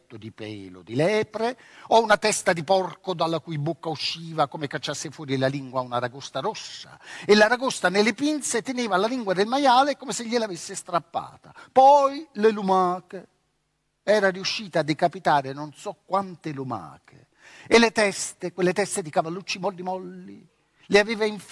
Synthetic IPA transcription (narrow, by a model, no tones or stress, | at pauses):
t̪ːʊd̪ipɛ̰ːlo̰d̪ilɛːpɾeɔunat̪ɛst̪ad̪ipɔrkod̪alːakujbokːauʃːiːvakomekat͡ʃːasːɪfwɔːɾilaliŋɡwaunaɾaɡost̪aɾɔsːa̰ɪlːaɾaɡost̪anelɪpint̪set̪eneːvalaliŋɡwad̪ɪlmajaːlekomeseʎːɪlavesːɪst̪ɾapːa̰ːt̪apɔjlɪlumaːke | ɛːɾariuʃːiːt̪aːd̪ːekapit̪aːɾɪnonsɔkːwant̪ɪluma̰ːkḛ | ɪlet̪ɛst̪ekwelːet̪ɛst̪ed̪ikavalːut͡ʃːimɔlːimɔlːi | lɪaveːvaiɱf